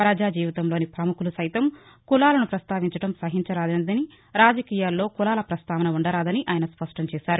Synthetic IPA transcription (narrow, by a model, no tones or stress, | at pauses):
pɾɐd͡ʒaːd͡ʒiːʋɐt̪ɐmlo̞ːnipɾɐmukulusɐjt̪ɐm | kulaːlɐnupɾɐst̪aːʋiɲt͡ʃɐʈɐmsɐɦiɲt͡ʃɐɾaːd̪ɐnd̪ɐni | ɾaːd͡ʒɐkiːjaːlːo̞ːkulaːlɐpɾɐst̪aːʋɐnɐuɳɖɐɾaːd̪ɐniʔaːjɐnɐspɐʂʈɐmt͡ʃɛːʃaːɾu